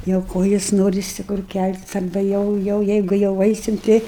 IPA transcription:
jɛʊ ˈkoːjɪs ˈnoːrʲɪsʲɪ kʊr ˈkʲælʲtʲɪs ɐrˈbɐ ˈjɛʊ ˈjɛʊ ˈjɛɪɡʊ jɛʊ ˈɐɪsʲɪm ˈtʲɛɪ

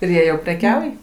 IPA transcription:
ɪr ˈjiɛ jɛʊ pʲrʲɛˈkʲɛʊj

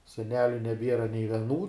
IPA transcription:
sʲɛˈnʲæːlʲʊ nʲɛˈbʲiɛrɐ nʲɛɪ ʋʲɛˈnuː

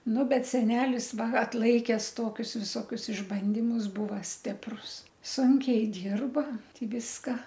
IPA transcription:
ˈnʊ ˈbʲɛt sʲɛˈnʲæːlʲɪs ˈʋɐ ɐtˈlˠɐɪkʲɛs ˈtoːkʲʊs ʋʲɪsoːˈkʲʊs ɪʒˈbɐnʲdʲɪmʊs ˈbʊʋɐ ˈsʲtʲɪprʊs ˈsʊŋʲkʲɛɪ ˈdʲiːrbɐ ˈtʲɪ ˈʋʲɪskɐ

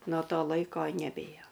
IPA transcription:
noː ˈtoː ˈlˠɐɪkoː nʲɛˈbʲeːjoː

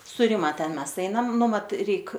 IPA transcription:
sʊ ˈrʲɪmɐ ˈtʲɛn ˈmʲɛs ˈɛɪnɐm ˈnʊ ˈmɐt ˈrʲɛɪk

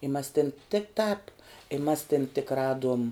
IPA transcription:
ɪ mɐs tʲɪn tʲɪk tɑːp ɪ mɐs tʲɪn tʲɪk ˈrɑːduɔm

